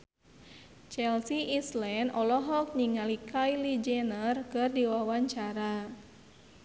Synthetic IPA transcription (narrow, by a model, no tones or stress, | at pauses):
t͡ʃɛlsiʔislɛndʔɔlɔɦɔk̚ɲiŋalikʰajlid͡ʒɛnərkɨrdiwawaɲt͡ʃaɾa